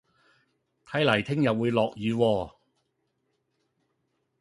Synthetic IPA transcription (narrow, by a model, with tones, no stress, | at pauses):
t̪ʰɐ˨˥jlɐ˨˩jt̪ʰɪ˥ŋjɐ˨w̚wuː˨˧jlɔː˨k̚jyː˨˧wɔː˧˩